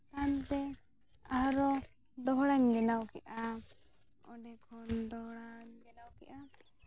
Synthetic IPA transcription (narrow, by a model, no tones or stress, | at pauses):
t̪ant̪ɛ | aɦɾɔ | d̪ɔɦɽaɲɡɛnawkɛʔa | ɔ̰ɖɛkʰɔnd̪ɔɦɽaɲɡɛnawkɛ̰ʔa